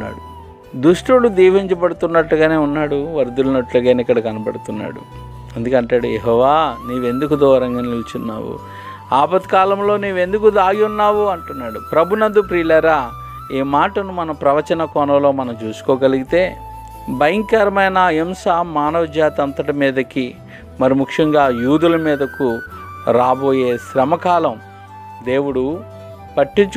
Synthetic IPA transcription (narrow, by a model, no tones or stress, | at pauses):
a̰ːɽu | d̪uʂʈuɽud̪iːʋiɲt͡ʃɐbɐɽut̪unːɐʈluɡaːne̞ːunːaːɽuʋɐɾd̪ulɐnɐʈluɡaːnikːɐɽɐkɐnɐbɐɽut̪unːa̰ːɽṵ | ɐnd̪ukɐɳʈaːɽujeɦɔːʋaːniːʋe̞nd̪ukud̪ɔːɐɾɐŋɡɐnilt͡ʃunːa̰ːwṵ | aːbɐt̪kaːlɐmlo̞ːnuːʋe̞nd̪uk̬ud̪aːɡiunːaːʋuɐɳʈunːaːɽupɾɐbʱunɐnd̪upɾiːlɐɾa | eːmaːʈɐnumɐnɐpɾɐʋɐt͡ʃɐnɐkɔːnɐmlo̞ːmɐnɐmt͡ʃuːsu̥kɔːɡɐliɡit̪e̞ː | bɐjɐŋkɐɾɐmɐjnɐemsaːmaːnɐʋɐd͡ʒjaːt̪ɐnt̪ɐʈɐmiːd̪ɐki | mɐɾimukʂɐŋɡaːjuːd̪ulɐmiːd̪ɐku | ɾaːbo̞ːje̞ːʃɾɐmɐkaːlɐm | d̪e̞ːwuɽu | pɐʈːiɲt͡ʃu